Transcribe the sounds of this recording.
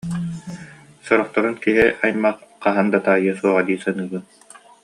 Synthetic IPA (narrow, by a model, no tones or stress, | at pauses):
sɔɾɔχt̪ɔɾunkiɦiʔajmaχqaɦand̪at̪aːjɯsuɔʁad̪iːsɯnɯːbɯn